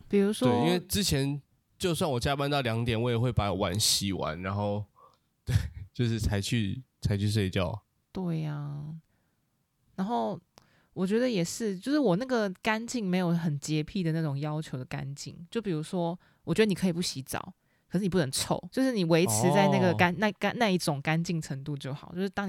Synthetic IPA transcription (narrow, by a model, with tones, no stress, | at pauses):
pi˨˩ɻu˧˥ʂwɔe˥˨i˦nwe˥˩ʈ͡ʂɻ̩˦˥t͡ɕʰjɛ˧˦n | t͡ɕjo˥˧ʊs̬wa˥˩nwɔ˨˩t͡ɕja˥˧pa˥˧nt̪ɑ˥˩ʊljɑ˧˥ŋt̪jɛ˨˩nwɔ˧˥jɛ˨˩xwe˥˩ɪpa˧˥˨wa̰˧˥nɕi˨˦wa̰˦nɻa˧˦nxo˥˩ʊ | t̪we˥˩ɪt͡ɕjo˥˧ʊʂɻ̩˥˩t͡sʰa˧˥ɪt͡ɕʰy˥˧t͡sʰa˧˥ɪt͡ɕʰy˥˧ʂ̬we˥˧ɪt͡ɕjɑ̰˥˩ʊ | t̪we˥˩ɪa˩ | na˧˥nxo˥˩ʊ | wɔ˨˩t͡ɕɥɛ˧˥d̪ə˧jɛ˨˩ʂɻ̩˥˩t͡ɕjo˥˧ʊʂɻ̩˥˩wɔ˨˩na˥˩ɡə˩ka˥nt͡ɕi˥˩ŋme˧˥ɪjo˨˩ʊxə˨˩nt͡ɕjɛ˧˥pʰi˥˩d̪ə˩na˥˩ʈ͡ʂʊ˨˩ŋjɑ˥ʊt͡ɕʰjo˧˥ʊd̪ə˨ka̰˦nt͡ɕḭ˥˨ŋt͡ɕjo˥˩ʊpi˨˩u˧˥ʂwɔ˥ | wɔ˨˩t͡ɕɥɛ˧˥d̪ə˧ni˨kʰi˨˩pu˥˩ɕi˧˥t͡sɑ̰˨˩˦ʊ | kʰʂɻ̩˥˩ni˨pu˥˩nə˧˦ŋt͡sʰo˥˩˦ʊt͡ɕjo˥˧ʊʂ̬ɻ̩˥˩ni˨˩we˧˦˥ɪt͡sʰɻ̩˧˥t͡sa˥˧ɪna˥˩ɡə˩ka˥nna˥˧ka˥˧na˥˧i˥˩ʈ͡ʂʊ˨˩ŋka˦nt͡ɕi˥˩ŋʈ͡ʂʰə˧˥ŋt̪u˥˧t͡ɕjo˥˩ʊxɑ˨˩˦t͡ɕjo˥˧ʊʂɻ̩˥˧t̪ɑ˥ŋ